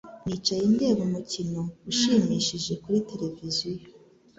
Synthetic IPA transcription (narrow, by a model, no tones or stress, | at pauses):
nit͡ʃajinde̞ːɡumucino̞uʃiːmiːʃiʒe̞kuɾite̞ɾe̞vizijo